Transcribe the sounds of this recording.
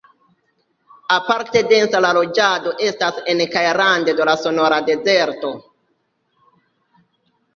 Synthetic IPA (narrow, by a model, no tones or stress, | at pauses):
apaɾte̞de̞nsalalo̞d͡ʒado̞ʔe̞stase̞nkajɾandedo̞laso̞no̞ɾade̞ze̞ɾto̞